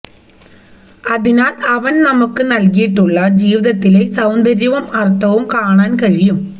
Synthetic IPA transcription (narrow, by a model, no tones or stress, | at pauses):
ɐðɪnaːlɐʋɐnnɐmɐkːɯnɐlɣijiʈːuɭːɐd͡ʒiːʋɪðɐt̪ːɪleːsɐwnd̪ɐɾjɐʋɐmɐrt̪ːɐʋɯmkaːɳaːnkɐɻɪjɯm